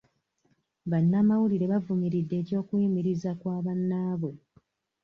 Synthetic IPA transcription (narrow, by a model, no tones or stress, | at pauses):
βanːaːmawuliɾe̞βavumiɾidːe̞ːco̞ːkuimiɾizakwaːβanːaːβo̞